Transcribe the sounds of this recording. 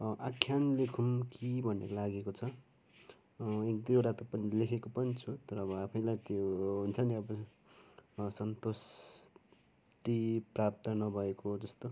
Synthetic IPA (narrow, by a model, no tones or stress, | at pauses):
ʔakʰjanlekʰumkibʱʌnḛɾolaɡekot͡sʰʌ | ekd̪ioɽat̪ʌpʌnilekʰekopʌnit͡sʰut̪ʌɾʌːbʌapʰʌjlajt̪joɦunt͡sʰʌniʌbʌ | sʌnt̪os | ʈiprap̚t̪ʌnʌbʱʌekod͡zʌst̪o